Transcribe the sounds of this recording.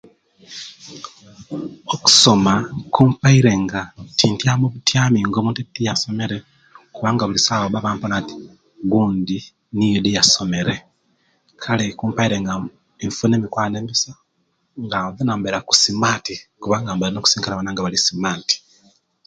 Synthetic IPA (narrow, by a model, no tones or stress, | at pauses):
oku̥so̞makuːmpaiɾe̞ŋɡatiːntjamuβutjaːmiŋɡomuntetijaso̞me̞ɾe̞ | kuβaːŋɡaβulisaβoβaβaːmponati̥ | ɡuːndi | nijedijaso̞me̞ɾe̞ | kʰalekuːmpaiɾeŋɡa | eɱfuneːmikwaːneːmisa | ŋɡaðanaːmbeɾaku̥simaːtikuβaŋɡambeɾenoːkusiːŋkalaβanaːŋɡaβalisimaːti̥